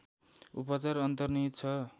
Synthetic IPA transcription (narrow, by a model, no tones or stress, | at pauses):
upʌt͡saɾʌnt̪ʌrnid̪t͡sʰʌ